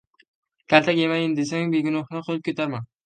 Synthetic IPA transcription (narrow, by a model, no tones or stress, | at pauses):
kʲʰalt̪ʰakʲemajɪnd̪es̬aŋbeɡʲʊnɒχnɨqʰolˠɨp̚kʰʲot̪ʰaɾman